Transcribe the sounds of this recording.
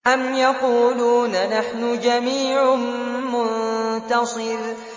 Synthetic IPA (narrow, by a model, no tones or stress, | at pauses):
ʔamjaquːluːnnaħnʊd͡ʒamiːʕʊmʊnt̪ɑsˤɨɾ